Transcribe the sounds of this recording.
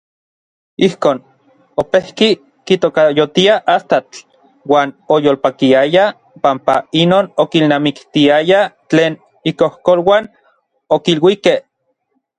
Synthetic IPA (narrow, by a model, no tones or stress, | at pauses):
ihkoːn | opehki | kit̪okajot̪iaʔast̪at͡ɬ | waːnojoːlpakiaja | pampainoːnokilnamikt̪iajat͡ɬeːn | ikohkolwaːn | okilwikeh